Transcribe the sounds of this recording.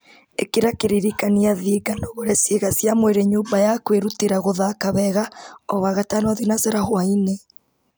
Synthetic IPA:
ekiɾakeɾiɾikaniaðiːɡanoɣoɾɛsiɣasjamweɾeɲuːmbajakweɾuteɾaɣoðakaβɛɣaɔwaɣatanwaðinaseɾahwaine

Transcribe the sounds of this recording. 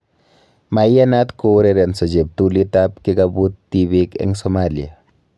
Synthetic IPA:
majjanatkoɾeɾensod͡ʒep̚tulitap̚kiɡabutːiβikɛ̰ŋsomalia̰

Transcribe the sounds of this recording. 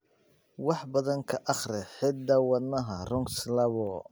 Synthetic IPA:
wɑħbɐðɐŋkʰɐʔɑχrɛħɪd̪d̪ɐwɐd̪nɐɦɐrɔŋkslɐβɔ

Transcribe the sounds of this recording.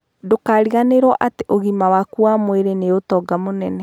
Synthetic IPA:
dokaɾiɣaneɾwɔʔateʔoɣimawakuamweɾeneotɔɡamonɛnɛ

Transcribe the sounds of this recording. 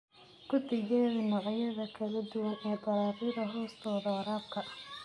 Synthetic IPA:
kʰʊd̪ɪɣɛːðimɐʁɑjɐðɐkʰɐlɐd̪ʊwɐnɛːbɐɾaːðiɾɐɦɔːst̪ʰɔːðɐɐɾaːb̚kʰɐ

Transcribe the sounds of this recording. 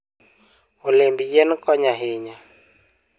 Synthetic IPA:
ulembijɛnkɔɲaɦeɲa

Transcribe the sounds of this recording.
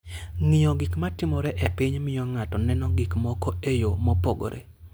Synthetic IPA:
ŋɪɔɡɪkmatɪmɔɾɛʔepɪɲmɪjɔŋatɔnɛnɔɡikmɔkɔejomɔpoɡo̰ɾḛ

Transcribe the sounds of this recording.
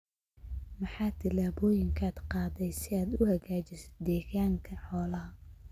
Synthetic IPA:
mɑħɑːt̪ʰɪlaːβɔːjɪŋkʰaːd̪qɑːðɛjsɪaːd̪ʊhɐɣaːt͡ʃɪsɛ̥d̪ɛːɣaːŋkʰɐħɔːlɐɦɐ

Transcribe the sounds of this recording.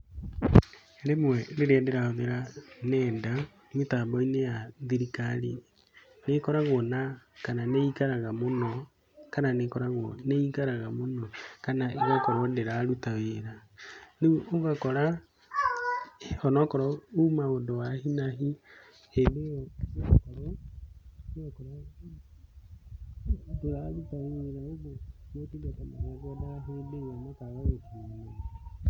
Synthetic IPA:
ɾemwɛɾeɾeadɛɾaɔðeɾanɛnda | metabɔinejaðiɾikaɾi | nekɔɾaɣwɔnakananeikaɾaɣamonɔ | kananekɔɾaɣwɔneikaɾaɣamonɔkanaʔeɣakɔɾɔdeɾaɾutaweɾanioɣakɔɾa | ɔnɔkɔɾɔumaɣodowahinaɦi | edeakɔɾɔ | akɔɾɔ | deɾalutaweɾaoɡonetidatamaɾaɡɔdaɦoedeɣanakaɣaɣotiea

